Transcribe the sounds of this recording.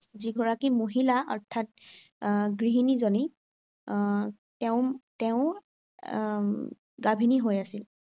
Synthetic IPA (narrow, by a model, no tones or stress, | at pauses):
ziɡʱɔɹakimoɦilaɔɹtʰat̚ | ɡɹiɦinizoni | tɛʊtɛʊ̃ | ɡabʱiniɦojasil